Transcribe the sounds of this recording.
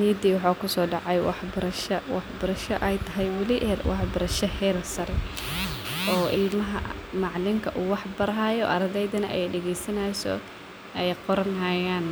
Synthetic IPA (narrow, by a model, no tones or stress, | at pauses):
niːd̪iːwɑħaːkʰʊsɔːɖɑʕɑjwɑ̰ħbɐɾɐʃɐwɑħbɐɾɐʃɐʔɛjt̪ʰɐɦɛjwɑlɪʔɛlwɑħbɐɾɐʃɐhɛːlsɐɾɛ | ʔɔːʔɪlmɐɦɐ̰ | mɑʕlɪŋkʰɐʔuːwɑħbɐɾɦaːjɔʔɐ̰ɾɐðɛjðɐnɐʔɛjɖɛɣɛjsɐnɐsɔ̰ | ɛjqɔɾɐnɦɐjaːn